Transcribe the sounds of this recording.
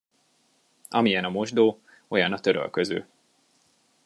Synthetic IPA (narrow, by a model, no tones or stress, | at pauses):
ɒmijɛnɒmo̞ʒd̪oː | o̞jɒnɒt̪ø̞ɾø̰lkøzø̰ː